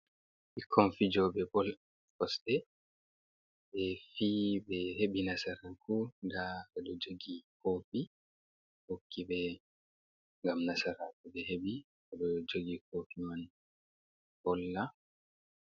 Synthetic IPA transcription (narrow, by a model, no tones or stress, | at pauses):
ikʰːonfid͡ʒɔɓɛbɔl | kɔsɗɛ | ɓɛfibɛɦeɓinasaɾakudaɓɛɗɔd͡ʒoɡikʰoːfi | hokʰːibɛ | ŋɡamnasaɾakuɓɛɦeɓi | ɓɛɗɔd͡ʒoɡikofiman | bɔlːa